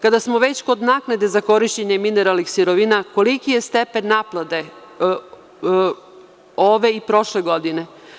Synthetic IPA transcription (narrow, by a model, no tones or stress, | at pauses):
kad̪asmo̞ʋe̞t͡ɕko̞d̪naknad̪e̞zako̞ɾiʃt͡ɕeɲemineɾalnixsiɾoʋinako̞likije̞st̪epenːaplˠad̪e̞ | oʋe̞ipɾo̞ʃleɡo̞d̪ine̞